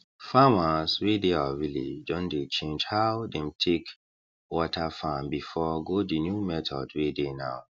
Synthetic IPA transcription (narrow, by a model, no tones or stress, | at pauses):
famasɹedeavilḛd͡ʒdɔ̃ndet͡ʃẽnd͡ʒhawdɛ̃mtʰek | wɔtʰafãmbifɔɡodinjumɛtʰɔ̰dwedenaʊ